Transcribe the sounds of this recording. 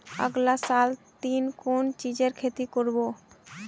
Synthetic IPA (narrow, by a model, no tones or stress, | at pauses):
ə̰ɡlasalt̪inkont͡ʃid͡ʑeɾkʰet̪ikoɾbo